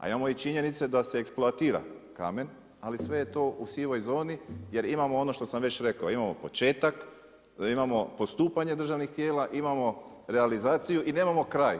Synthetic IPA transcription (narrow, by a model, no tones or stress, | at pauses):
a̰imamo̞it͡ʃiɲe̞nit̪se̞d̪ase̞eksploat̪iːɾa̰ka̰me̞n | alisʋe̞jet̪o̞ːʔusiʋo̞jzo̞ːnije̞ɾimamo̞o̞no̞ʃt̪o̞samʋe̞t͡ɕɾe̞kaoimamo̞̰po̞t͡ʃe̞ːt̪ak | imamo̞post̪uːpaɲe̞d̪ɾr̩ʒaʋnixt̪je̞ːlaʔimamo̞ɾealizaːt̪sijuʔine̞ːmamo̞kɾaːj